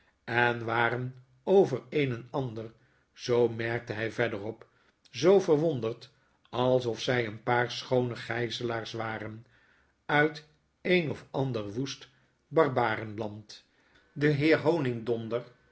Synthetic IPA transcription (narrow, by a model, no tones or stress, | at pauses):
ɛnʋaːɾən | owvəɹejnənɑndər | z̥owmɛɹk̚təɦɛjvɛdərɔp | zowvəɹʋɔndəɹt | ɑlˠsɔfsɛjənpaːɹsχownəχɛjzəlaːɹsʋaːrən | œɥt | ejnɔfɑndəɹʋust | bɑrbaːrənlɑnt | dəɦɪːɹɦownɪŋdɔndəɹ